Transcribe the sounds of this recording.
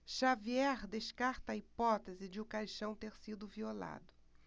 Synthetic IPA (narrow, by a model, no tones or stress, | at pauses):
ʃaviɛɾd̪eʃkaɾt̪ɐːipɔt̪ezɪd͡ʒɪʊkajʃɐ̃w̃t̪eɾsid̪ʊviola̰d̪ʊ